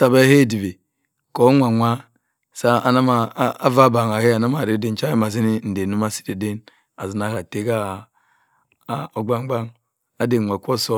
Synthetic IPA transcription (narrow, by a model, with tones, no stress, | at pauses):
sa˨ba˦e˦˨di˨be˨ | ko˨˦ŋʷa˨ŋʷa˦ | sa˦a˨na˦ma˨˦a˦va˦ba˨ŋa˨he˦a˨na˦ma˨ɾi˨˦de˦n˦t͡ʃa˦i˦ma˨zi˦ni˦n̩˨de˨nu˦ma˦si̥˦de˨de˦n | a˨zi˨na˦ka˨te˦ɡa˦˨˦ | o˨ɡ͡ba˦ŋ˦ɡ͡ba˦ŋ | a˦de˨ŋʷa˨kʷo˦˨so˦